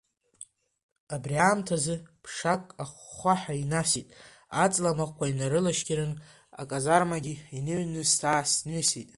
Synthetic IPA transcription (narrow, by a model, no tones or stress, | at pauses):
abriaːmtʰazɨpʰʂakʼaχːʷaħainasitʼ | at͡sʼlamakʷʰainaɾɨlaʃɡʲɪɾɨn | a̰kʼazarmaɡʲiinɨɥnɨstʰaːsnɥisitʼ